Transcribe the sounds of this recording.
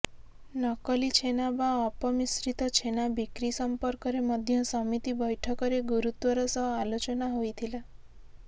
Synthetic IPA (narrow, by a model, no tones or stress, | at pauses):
nɔkəlit͡ʃʰenabaɔpɔmisɾit̪ɔt͡ʃʰenabikɾisəmpəɾkɔɾeməd̪ʱjʌsəmit̪ibəjʈʰəkɔɾeɡuɾut̪ʋəɾasɔɦalot͡ʃɔnaɦoit̪ʰila